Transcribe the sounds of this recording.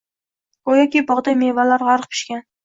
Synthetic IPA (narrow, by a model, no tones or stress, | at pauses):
ojakʲibɒʁd̪ajmevalaɾʁaɾq̚pʰɪ̥ʃkʲan